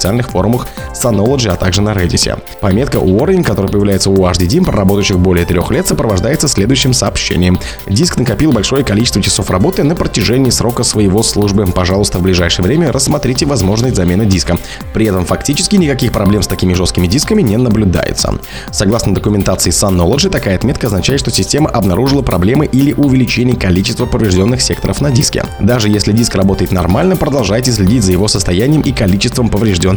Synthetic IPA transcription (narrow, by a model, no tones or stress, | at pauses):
ɪ̥sɨalʲnɨxfo̞ɾʊməx | sɐno̞lˠəʐɨɐt̪aɡʐɨnəɾedʲɪsʲɪ̰ | pɐmʲe̞t̪̚kəʔʊorʲɪŋʲkɐt̪o̞ɾəjəpəjɪvlʲæjɪt̪səʊaʐdʲɪdʲimpɾə̰ɾɐbo̞t̪əɕːɪxbo̞lʲɪjət̪ɾʲo̞xlʲe̞t̪səpɾəvɐʐd̪ajɪt̪səsʲlʲe̞d̪ʊjʉɕːɪmsəːpɕːḛnʲɪjəm | dʲisknəkɐpʲilˠbɐlʲʂo̞jəkɐlit͡ɕɪst̪vət͡ʃɪ̥so̞frɐbo̞t̪ɨnəpɾətʲɪʐɛnʲɪːsɾo̞kəsvəjɪvo̞slˠuʐbɨpɐʐɑlˠʊst̪əvblʲɪʐajʂɨjəvɾʲemʲərəsːmɐt̪ɾʲitʲɪvɐzmo̞ʐnəsʲtʲzɐmʲe̞nɨdʲiskə | pɾʲɪɛt̪əmfɐktʲit͡ɕɪ̥skʲɪnʲɪkɐkʲixpɾɐblʲe̞mst̪ɐkʲimʲɪʐost̪kʲɪmʲɪdʲiskəmʲɪnʲenəblʲʊd̪a̰jɪ̰t̪sə̰ | sɐɡlˠasnəd̪əkʊmʲɪnt̪at̪sɨɪsɐnːolˠəʐɨt̪ɐkajəɐt̪mʲe̞t̪kəɐznɐt͡ɕæjɪt̪ʂt̪osʲɪsʲtʲe̞məʔɐbnɐɾʔuʐɨlˠəpɾɐ̰blʲe̞mɨʔilʲɪʔʊvʲɪlʲɪt͡ɕenʲɪjəkɐlʲit͡ɕɪst̪vəpəvɾʲɪʐdʲo̞nːɨxsʲe̞kt̪ə̰ɾə̰fnɐdʲiskʲɪ̰d̪aʐɨjesʲlʲɪdʲiskrɐbo̞t̪əjɪt̪nɐrmalʲnəpɾəd̪ɐlˠʐajɪtʲɪsʲlʲɪdʲitʲzəjɪvo̞səst̪ɐjænʲɪjəmʔikɐlʲit͡ɕɪst̪vəmpəvɾʲɪʐdʲon